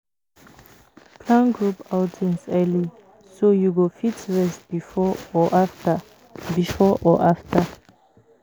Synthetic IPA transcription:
pʰlãnɡɹupaʊtʰɛ̃nsɛli | sojuɡofitɹɛsbifɔɔʔaftə | bifɔʔɔʔaftʰə

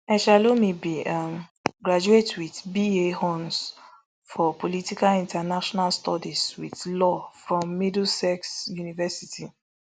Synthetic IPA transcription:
ɛʃalomibiamɡɹad͡ʒuetwiθbiehɔ̃ns | fɔpolitikalĩntɛnaʃɔnalstɔdiswḭθlɔfɹɔ̃mːidl̩sɛksjunivɛsitʰi

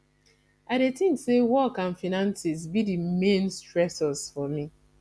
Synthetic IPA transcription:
aɪɾetĩŋksewɔkãnfinãnsis̬bidimẽnstɹɛsɔsfɔmi

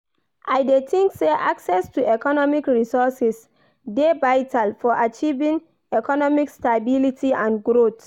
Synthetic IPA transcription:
ʔajdetʰĩŋkseʔaksɛstuɛkɔnɔmikɹisɔsɛs | devaɪtʰalfɔʔat͡ʃivĩŋ | ɛkɔnɔmikstabilitʰiãnɡɹot

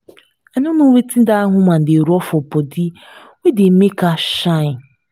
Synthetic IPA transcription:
anʊnowetin̩daaɦʊman̩deɾɔfɔpɔdɪ | wedemekaʃaɪ

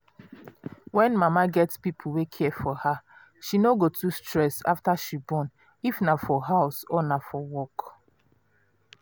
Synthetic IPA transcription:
wɛ̃nmamaɡɛtspipʰuwekʰɛfɔha | ʃinoɡotʰustɹɛsa̰ftaʃibɔ̃n | ifnafɔɦaʊsɔnafɔwɔk

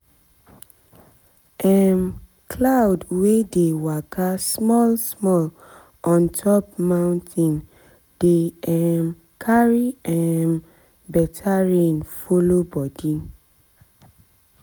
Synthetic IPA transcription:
ɛm | kʰlawdwedewakʰasmɔlsmɔl | ʔɔ̃ntʰɔp̚mãʊ̃ntʰĩn | d̥eɛm | kʰaɹiɛm | bɛtʰaɹẽnfolobɔdĩn

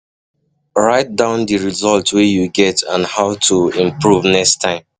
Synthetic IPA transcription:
ɹaɪt̚dãʊ̃ndiɹizɔltwɛjuɡɛtãnhaʊtʰuĩmpʰɹuvnɛkstʰãɪ̃m

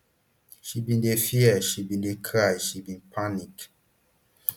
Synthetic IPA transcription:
ʃibĩndefiɛʃibĩndekʰɾajʃibĩnpʰanik

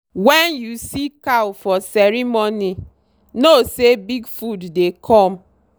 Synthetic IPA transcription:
wɛnjusikawfɔsɛɾimoni | nosebiɡfudːekʰɔm̩

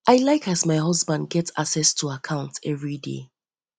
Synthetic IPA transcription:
ʔaɪlaɪkazmaɪɦʌzbãnd̚ɡɛta̰ksɛstʰəakʰãʊ̃ntɛvɹidḛ

